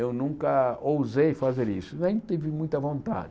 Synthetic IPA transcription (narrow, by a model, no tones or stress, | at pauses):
ewnũŋkɐowzejfazeɾisʊnẽt̪ivɪmũj̃t̪ɐvõnt̪a̰d͡ʒ